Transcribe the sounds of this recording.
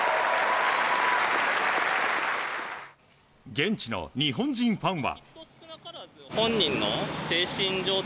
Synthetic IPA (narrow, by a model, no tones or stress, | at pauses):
ɡent͡ɕino̰ɲiɦoɲd͡ʑĩŋɸaŋβa̰ | honːinːosʰeɕind͡ʑo